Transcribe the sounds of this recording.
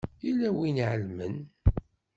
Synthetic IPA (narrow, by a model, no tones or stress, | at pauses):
ilæwinʕəlmən